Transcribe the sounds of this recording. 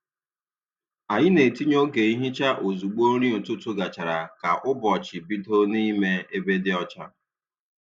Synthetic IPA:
a˨ɲɪ˦ne˨ti˦ɲo˦ɡe˨i˦ɦɪ˦t͡ʃa˦ʔo˨zu˨ɡ͡bo˦ɾi˦o˨tʊ˦tʊ˦ɡa˨t͡ʃa˨ɾa˨ka˨ʔʊ˦bɔ˨t͡ʃɪ˨bi˦do˦ni˦me˦e˦be˦dɪ˦ɔ˦t͡ʃa˦

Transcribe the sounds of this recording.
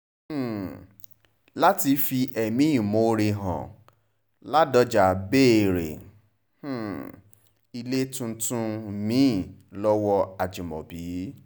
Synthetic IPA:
h̩˦˨ | la˦ti˧fi˧ʔɛ˨mĩ˦i˦˨mõ˨˧ɾe˧ɦã̰˨ | la˦dɔ˧˦d͡ʒa˨be˦˨ɾḛ˨ | h̩˦˨ | i˧le˦tũ˧˦tũ˧mĩ˨˦˨lɔ˦wɔ˧a˨d͡ʒi˨mɔ̰̃˨bi˨˦

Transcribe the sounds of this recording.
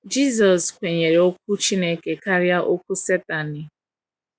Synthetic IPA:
d͡ʒi˦zɔ˨skʷe˨ɲe˨ɾe˨o˦k̚ʷu˦t͡ʃi˦ne˦ke˨ka˦ɾja˦ʔo˦k̚ʷu˦se˦ta˨nɪ˨

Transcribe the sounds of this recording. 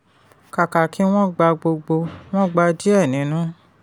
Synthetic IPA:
ka˨ka˨ki˨˦w̃ɔ̃˦ɡ͡ba˧ɡ͡bo˧ɡ͡bo˧w̃ɔ̃˦ɡ͡ba˧di˦ɛ˦˨nĩ˨˦nũ˦

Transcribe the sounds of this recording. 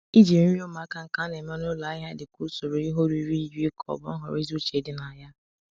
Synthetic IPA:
i˦d͡ʒi˨m̩˦o˦ma˨˦ka˦ŋ̩˦ka˦ne˨me˦nʊ˦la˨˦ɦa˦dɪ˨ku˦so˨ɾo˨i˦ɦo˦ɾu˨i˦ɾi˦i˦d͡ʒu˦i˦kʰɔ̰˨bʊ˨˦ɔ˦ɦɔ̰˨ɾi˦zu˦t͡ʃe˨dɪ˦na˨ja˦

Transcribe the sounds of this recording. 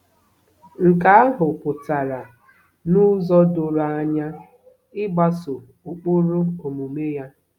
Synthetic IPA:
ŋ̩˨ka˨a˦ɦʊ˨pʊ˨ta˨ɾa˨ | nʊ˦zɔ˦dʊ˨ɾa˨a˦ɲa˦ | ɪ˦ɡ͡ba˦sʊ˨ | u˨k͡pʊ˦ɾʊ˦o˨mu˨me˦ja˦

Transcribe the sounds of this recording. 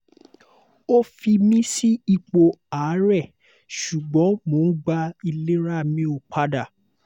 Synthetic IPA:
o˦fi˧mĩ˦si˦i˧k͡po˧aː˨˦ɾɛ˦˨ | ʃu˨ɡ͡bɔ̃˨˦mo˨˦n̩˦ɡ͡ba˧i˧le˦ɾa˦˨mĩ˦o˧˨k͡pʰa˧da˦˨

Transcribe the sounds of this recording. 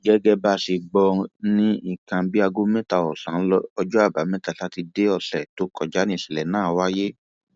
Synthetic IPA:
ɡɛ˦ɡɛ˦ba˦˨ʃi˨ɡ͡bɔ˧nĩ˦i˦˨kã˧bi˦a˧ɡo˦mɛ̃˦ta˨ɔ˨sã˨˦ɔ˦ɔ˧d͡ʒɔ˦a˦˨ba˨˦mɛ̃˦ta˨la˨˦ti˧de˦ɔ˧sɛ˨to˨˦kʰɔ˨d͡ʒa˨˦nĩ˦˨sɛ˨lɛ˨nãː˦˨wa˦je˦

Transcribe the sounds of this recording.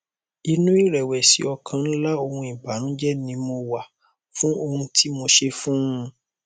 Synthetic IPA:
i˧nũ˦i˦˨ɾɛ˨wɛ˨sḭ˨˦ɔ˧kʰã˧n̩˦la˦o˧hũ˧i˨ba˨˦nũ˦d͡ʒɛ˦nĩ˧mo˧wa˨ | fũ˦o˧hũ˧tʰi˦mo˧ʃe˧fũ˦˧

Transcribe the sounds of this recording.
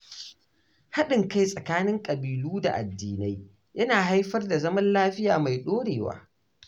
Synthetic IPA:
ha˦ɗɪ˨ŋka˦jsʼɐ˨kaː˦nɪ˦ŋkʼɐ˨biː˨luː˦da̰˨ʔa̰˨dːiː˨na˦j | jɐ˦naː˨ɦa˦jɸɐ˦rda˨zɐ˦mɐ˦nlaː˦ɸɪ˦jaː˨ma˨jɗoː˦ɽeː˨wa̰ː˨˦

